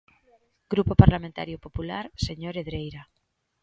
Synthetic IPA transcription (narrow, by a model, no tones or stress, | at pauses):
ɡ̥ɾupopaɾlamẽnt̪a̰ɾjopopula̰ɾseɲoɾeðɾejɾa